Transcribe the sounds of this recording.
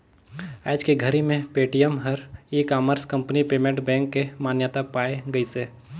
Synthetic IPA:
ɛ̰ːd͡ʒkeɡʱəɾimẽpeːʈijəmɦəɾikaːməɾskə̃mpnipeːmẽɳʈbɛ̃ːŋkːemaːnjət̪apaːeɡəiseː

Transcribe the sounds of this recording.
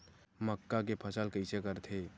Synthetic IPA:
məkːak̬epʰəsəlkəɪsekəɾt̪ʰe

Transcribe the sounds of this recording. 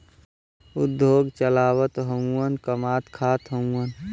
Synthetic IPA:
ʊd̪ʱːoːɡt͡ʃəlaːwət̪ɦəmuwənkəmaːt̪kʰaːt̪ɦəmuwən

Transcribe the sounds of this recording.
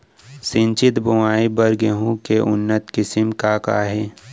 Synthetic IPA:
sɪ̃nt͡ʃɪt̪bʊaːibəɾɡeɦũkeʔʊnːət̪kɪsɪmkaka̰ɦɛː

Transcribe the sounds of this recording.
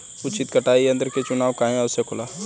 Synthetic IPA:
ʊt͡ʃɪt̪kəʈaːiɐ̃nd̪əɾket͡ʃʊnaːwkaːɦẽaʊsekʰʊlaː

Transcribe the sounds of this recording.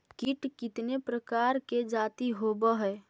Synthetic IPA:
kɪʈkɪt̪nepɾəkaːɾked͡ʒaːt̪iɦobəɦɛː

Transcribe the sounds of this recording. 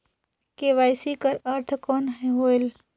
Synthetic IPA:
keʋaːjsikəɾəɾt̪ʰkɔːnɦɛɦoel

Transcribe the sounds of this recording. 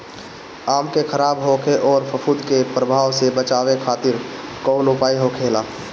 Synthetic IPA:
aːmkekʰəɾaːbɦoːkʰeʔɔːɾpʰəpʰuːd̪kepɾəbʱaːʋsebət͡ʃaːwekʰaːt̪ɪɾkɔːlʊpaːiɦokʰeːlaː

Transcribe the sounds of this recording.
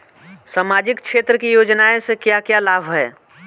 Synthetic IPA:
saːmaːd͡ʒɪkkʃʰeːt̪ɾəkijoːd͡ʒnaẽsekjakjalaːbʱɦɛː

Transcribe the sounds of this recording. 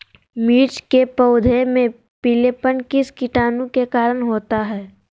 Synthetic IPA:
miːɾt͡ʃkepəʊd̪ʱemẽ | pileːpənkɪskɪʈaːnũkekaːɾəɽɦoːt̪aɦɛː

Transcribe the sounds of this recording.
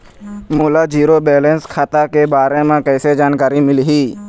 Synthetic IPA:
muːlad͡ʒiːɾobɛːlẽnskʰaːt̪akebaːɾẽmẽkɛːsed͡ʒaːnkaːɾimɪlɦiː

